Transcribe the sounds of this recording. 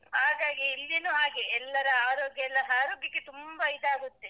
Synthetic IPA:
haːɡaːɡiːlːinuːaːɡiɛlːɐɾɐaːɾoːɡjɐɛlːɐɦaːɾoːɡjɐkːet̪umbɐid̪aːɡut̪ːe̞

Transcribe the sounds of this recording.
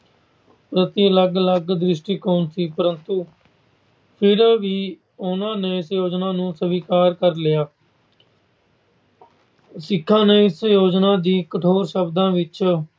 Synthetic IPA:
pɾət̪iələɡələɡd̪ɾɪʃʈiːkoːnsiːpəɾənt̪uː | pʰɪɾʋiː | ʊnãːneːɪsjoːd͡ʒnaːnũːsəʋiːkaːɾkəɾlɪjaː | sɪkʰːãːneːɪsjoːd͡ʒnãːd̪iːkəʈʰoːɾʃəbd̪ãːʋɪt͡ʃ

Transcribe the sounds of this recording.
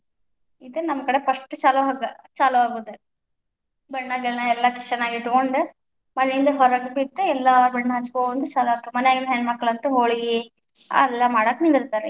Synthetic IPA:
id̪ɐnɐmːɐkɐɽepɐʂʈɨt͡ʃaːluaɡɐt͡ʃaːluaːɡuːd̪u | bɐɳːaɡɛɭnɐɛlːɐki̥ʂɐnaːɡiʈukoɳɖu | mɐnejind̪ɐɦɔɾɐɡpit̪ːeɛlːabɐɳːɐɦɐt͡ʃːkoːɐnt̪d̪ut͡ʃaːluʋaːkːumɐnɛjaːɡinɦeɳɖmɐkːɐɭɐnt̪uɦoːɭiɡi | a̰ɛlːɐmaːɽaknind̪iɾt̪aːɾe

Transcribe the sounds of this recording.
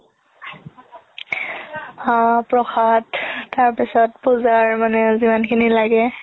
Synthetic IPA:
apɹɔxatːaɹpisɔtpuzaɹmanɛzimankʰinilaɡɛ

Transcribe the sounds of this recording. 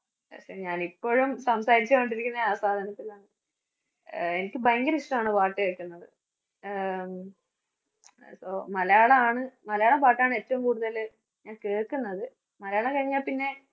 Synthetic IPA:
ɐ̰sɐɲaːnipːo̞ːɻumsɐmsaːɾit͡ɕːɐeɳɖiɾikʲːunːɐaːsaːd̪ʱɐnɐt̪ːilaːɳɨ | e̞nikʲːɨbɐjŋɡɐɾiʂʈɐmaːɳɨpaːʈːɨkeːrkːunːɐðɨ | soːmɐljaːɭɐaːɳɨmɐlɐjaːɭɐpaːʈːaːɳɨe̞ːtːɐʋumkuːɽuðɐl | ɲaːnkeːrkunːɐðɨ | mɐlɐjaːɭɐkɐɻiɲːaːlpinːe̞

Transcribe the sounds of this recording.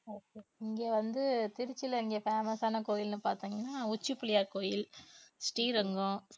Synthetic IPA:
oːkeːɪŋɡeːʋɐnd̪ɯt̪ɪɾɪt͡ʃːɪlɐɪŋɡeːfeːmɐsaːnɐkoːjɪlnɯpaːɾt̪iːŋɡɐnːaːʊt͡ʃːɯpːɪlɪjaːɾkoːjɪlsʈiːɾɐŋɡʊ̃

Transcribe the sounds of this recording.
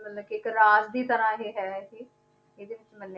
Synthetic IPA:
mət̪ləkiɪkɾaːzd̪iːt̪əɾãːɦeːɦɛːɦeː | ɪd̪eːʋɪt͡ʃmənː

